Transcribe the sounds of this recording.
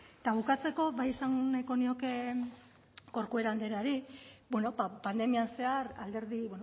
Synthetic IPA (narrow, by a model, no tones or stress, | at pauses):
t̪aβukat͡se̞ko̞βajesaŋnajko̞nio̞ke̞ | ko̞ɾkue̞ɾald̪e̞ɾaɾibwe̞no̞bapand̪e̞mianse̞aɾald̪e̞ɾðiβwen